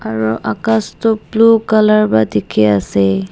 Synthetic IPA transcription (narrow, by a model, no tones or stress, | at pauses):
aɹuʔakastʊplukalaɹbadikʰɛasɛ